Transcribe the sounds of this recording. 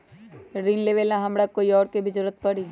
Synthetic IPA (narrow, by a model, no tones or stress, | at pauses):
ɾiːnleʋelãɦɐmɽakoːiɔːɾkebʱizʊɾət̪̚pɐɽi